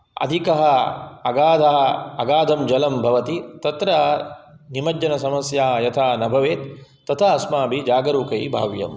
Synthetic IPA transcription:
ɐ̰d̪ʱikɐɦɐɐɡaːd̪ʱɐɦɐɐɡaːd̪ʱɐmd͡ʒɐlɐmbʱɐʋɐt̪it̪ɐt̪ɾɐ | nimɐd͡ʒɐnɐsɐmɐsjaːjɐt̪ʰaːnɐbʱɐʋeːt̪t̪ːɐt̪ʰaɐsmaːbʱid͡ʒaːɡɐɾuːkɐjbʱa̰ːʋjɐ̰m

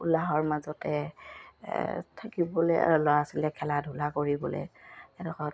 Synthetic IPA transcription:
ulaɦɔɹmazɔtɛ | tʰakibɔlɛ̰lɔaasilɛkʰɛladʱulakoɹibɔlɛ̰ɛdɔxɔt

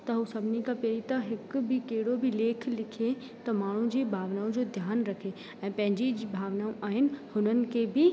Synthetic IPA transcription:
t̪ɐɦusɐbʱnikapeːɾit̪aɦɪkbʱɪkeɦɪɽobʱɪleːkʰlɪkʰe | t̪ɐmaːɳ̤ũd͡ʑiːbʱaːʋnaːũd͡ʑoːd̪ʱjaːnɾɐkʰe | ɛ̃ːpɐ̃ɦɪ̃ɲd͡ʑibʱaːʋnaːũʔaːɦɪnɪ̆hʊnənɪ̆kʰebʱɪ

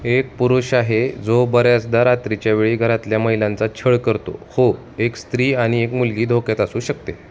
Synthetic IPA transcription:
ek̚puɾuɕaɦed͡zobəɾjasd̪aɾat̪ɾit͡ɕjaʋeɭiːɡʱəɾat̪ljaməɦilãnt͡sat͡ɕʰəɭkəɾt̪o̰ho | ekst̪ɾiːaɽ̃iekmulɡiːd̪ʱoket̪asuːɕək̚t̪e

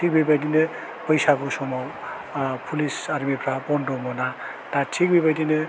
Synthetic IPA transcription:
tʰik̚bʱebad̪inɯ | pʌjsakosɔmɔ | pʰulisaɾmipʰɾapɔnɖomɔna | t̪atʰik̚bebad̪inɯ

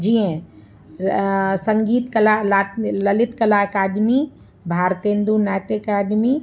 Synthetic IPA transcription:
d͡ʒiːẽ | sɐŋɡiːt̪kɐlalalɐlɪt̪kɐlaɐkaːɖmi | bʱaːɾt̪ẽːnd̪unaːʈekaːɖmi

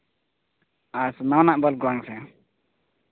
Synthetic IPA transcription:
asnawnaʔbɔlɡwaŋsɛ

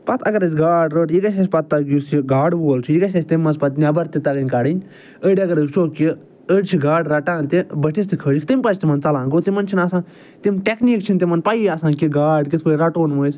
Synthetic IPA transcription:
pɐt̪ʰɐ̰ɡɐɾɨsʲɡaːɖɾoːʈikɐʃ̬esʲpɐt̪̚ːɐɡjusiɡaːɖboːlt͡ʃʰiikɐʃʲɐsʲt̪imːɐnzpɐt̪nʲabɐɾt̪it̪ɐɡɐnʲkaːɽinʲ | əːɖʲɐɡɐɾɨt͡ʃʰoːki | əɖʲt͡ʃʰiɡaːɖɾaʈaːnt̪ibəʈʰist̪ʰikʰəːd͡ʒkʰt̪impɐt͡ʃʰt̪imɐnt͡sɐlãːnɡot̪imɐnt͡ʃʰinaːsãːn | t̪imʈekniːkt͡ʃʰint̪imɐnpajaːsãːnkiɡaːɖkit̪koːɾaʈoːnmoisʲ

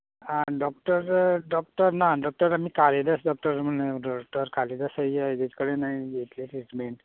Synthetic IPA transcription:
aɖɔk̚ʈəɾɖɔk̚ʈəɾnaɖɔk̚ʈəɾamikʰaled̪əsɖɔk̚ʈəɾm̤əneɖɔk̚ʈəɾkʰaled̪əsajad̪et̪i̥kəɽenaiɡet̪let̪ɾiʈmeɳʈ

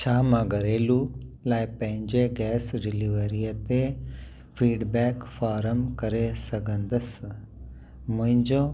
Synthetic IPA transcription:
t͡ʃʰaːmɐɡɐɾeːlulaːjpɐ̃ɦɪ̃ɲd͡ʒeɡɛːsɖiliʋəɾijɐt̪e | fʰiːɖbɛːkfʰaːɾəmkɐɾesɐɡɐ̃nd̪ɐs | muɦɪ̃ɲd͡ʒõː

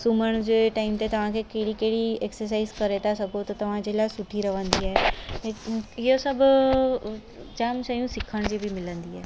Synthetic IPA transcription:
suməɳ̃d͡ʑeʈaimt̪et̪əʋ̤ãkʰekeɽikeɽieksəɾs̬aizkəɾet̪asəɡot̪ɔt̪əʋ̤ãd͡ʑelasuʈʰiːɾəʋə̃nd̪iɛejosəb | d͡ʑamsəjũːsikʰəɳ̃d͡ʑibʱiːmɪlə̃nd̪iːɦɛ

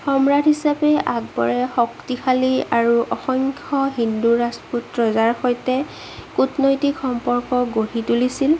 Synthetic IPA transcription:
xɔmɹadʱɦisapɛʔaɡ̚bɔ̰ɹɛxɔktixʰaliaɹuʔɔxɔŋkʰɔɦinduɹasputɹɔzaɹxojtɛ | kutnojtikxɔmpɔɹkɔɡoɹitulisil

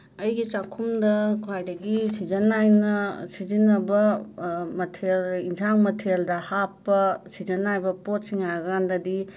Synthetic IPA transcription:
ɐjɡit͡ʃakʰumdɐkʰuajdɐɡisid͡ʒɐnajnɐsizinːɐbɐ | mɐtʰelinsʰaŋmɐtʰeldɐhapːɐsid͡ʒɐnajbɐpot̚siŋajɡɐandɐdi

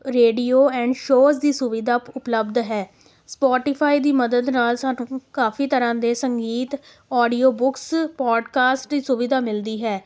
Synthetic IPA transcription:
ɾeːɖiːoːɛ̃ːɳɖʃoːsd̪iːsʊʋɪd̪aːpʊpləbd̪ɦɛː | spɔːʈiːpʰaːiːd̪iːməd̪əd̪naːlsaːnũːkaːfiːt̪əɾãːd̪eːsəŋɡiːt̪ | ɔːɖiːoːbʊkspɔːɖkaːsʈd̪iːsʊʋɪd̪aːmɪld̪iːɦɛː

